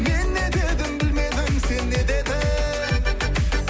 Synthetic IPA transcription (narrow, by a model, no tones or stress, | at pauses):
menːed̪ed̪ɪmbɪlmed̪ɪmsenːed̪ed̪ɪ